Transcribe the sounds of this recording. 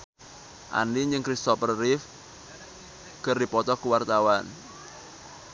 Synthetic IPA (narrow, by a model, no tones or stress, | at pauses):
ʔa̰niɲd͡ʒəŋkɾist̪ɔpərːɪf | ɡ̥ərdipɔt̪ɔkuwart̪awan